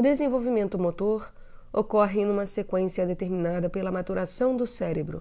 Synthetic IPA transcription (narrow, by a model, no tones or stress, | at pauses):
ʊd̪ezẽvowvimẽnt̪ʊmot̪oɾ | okɔɦɪ̃nũmɐsekwẽsiɐd̪et̪eɾmĩnad̪ɐpelɐmat̪uɾasɐ̃w̃d̪ʊsɛɾebɾʊ̰